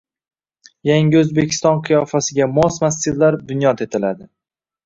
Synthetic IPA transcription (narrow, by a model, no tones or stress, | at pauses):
jaŋɡʲɪɵzbekʲʰɪ̥st̪ɒnqʰɨjɒfasɪɡʲamɒsmastɪɾlaɾd̪ʊnjɒt̪e̞t̪ʰɪlad̪ɪ